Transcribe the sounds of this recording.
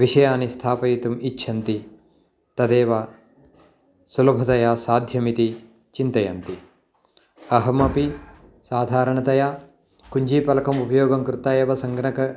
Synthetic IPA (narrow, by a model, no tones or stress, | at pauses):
ʋiʂɐjaːnist̪ʰaːpɐjit̪umitːʃʰɐnt̪i | t̪ɐd̪ɛːʋɐ | sulɐbʱɐt̪ɐjaːsaːd̪ʱjɐmit̪i | t͡ʃint̪ɐjɐ̰nt̪i | ɐɦɐmɐpi | saːd̪ʱaːɾɐɳɐt̪ɐjaː | kuɲd͡ʒiːpɐlɐkɐmupɐjɔːɡɐmkɾut̪ɐjɛːʋɐsɐŋɡnɐkɐ